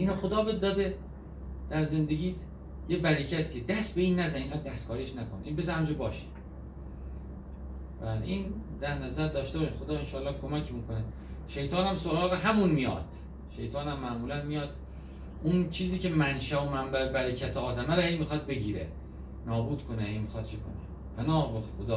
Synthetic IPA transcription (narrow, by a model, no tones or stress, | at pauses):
ʔiːnoxod̪ɒːbed̪ɒːd̪e | d̪̥æɾze̞nd̪e̞ɡiːt̪ | jebæɾecʰæt̪ʰied̪æst̪be̞iːnːæzæneiːŋɢæːd̪̚ːæst̪kʰɒːɾieʃnækʰonʔiːnbes̬hæmd͡ʒobɒːʃi̥ | b̥æːl̰ʔiːnd̪æɾnæzæɾd̪ɒːʃt̪ebɒʃixod̪ɒːenʃɒːlːɒːhkʰo̞mæcʰmiːkone | ʃe̞jt̪ʰɒːnæmsoɾɒːɣeɦæmunmijɒ̰ːd̪̥ | ʃḛjt̪ʰɒːnæmːæʔmuːlænmijɒːd̪ | ʔunt͡ʃʰiːziːce̞mænʃæomæmbæebæɾecʰæt̪ʰeɒːd̪æmæɾɔhejmixɒd̪̚be̞ɟiːɾḛ | nɒːbuːd̪kʰonehejmixɒt̪̚t͡ʃʰekʰo̰ne | pʰænɒːhbexod̪ɒː